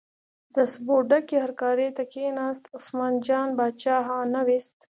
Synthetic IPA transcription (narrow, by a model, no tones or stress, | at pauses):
d̪əsboɖakehɐɾkɑːɾet̪akenɑːst̪ʊsmɑːnd͡ʒɑːnbɑːt͡ʃɑɦɑ̃nawist̪